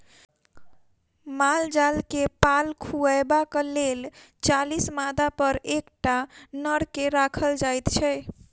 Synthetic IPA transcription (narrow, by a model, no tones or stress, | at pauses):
mald͡ʒalkepalkʰuəebakəlel | t͡ʃalismad̪apəɾekʈanəɽkeɾakʰəld͡ʒajt̪t͡ʃʰɛ